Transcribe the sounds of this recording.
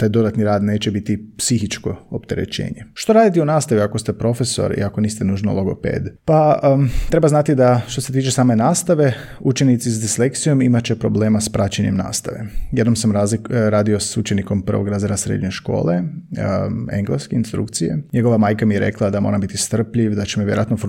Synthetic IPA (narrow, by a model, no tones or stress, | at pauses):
t̪aːjd̪o̞d̪at̪niɾaːd̪ne̞ːt͡ɕe̞bit̪ipsixit͡ʃko̞opt̪e̞ɾḛt͡ɕḛːɲeʃt̪o̞ɾaːd̪it̪iunaːst̪aʋiako̞st̪e̞pɾo̞feso̞̰ɾḭako̞niːst̪enuːʒno̰lˠoɡo̞̰pḛːd̪pat̪ɾe̞baznat̪id̪aʃt̪o̞set̪iːt͡ʃesaːme̞naːst̪aʋe̞ | ut͡ʃenit̪sisd̪islekt̪sijo̞mimat͡ɕe̞pɾo̞ble̞ːmaspɾat͡ɕeɲemna̰ːst̪aʋḛjed̪no̞msamaɾaːd̪iosut͡ʃeniko̞mpər̩ʋoɡɾaːzeɾasɾḛd̪ɲe̞ʃko̞̰ːlˠe | eŋɡleskeinst̪ɾṵkt̪sijḛɲeɡo̞ʋamaːjkamijeɾe̞̰klˠad̪amo̞ːɾambit̪ist̪r̩pʎiʋd̪at͡ʃemoʋjeɾoat̪nof